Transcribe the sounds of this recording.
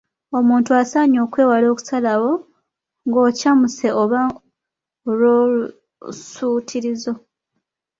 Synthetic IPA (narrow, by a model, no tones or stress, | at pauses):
o̞muːntuasaːɲo̞ːkwe̞ːwalo̞ːku̥salawo̞ | ŋɡo̞ːcamuse̞oβa | lolu | suːtʰiɾizo̞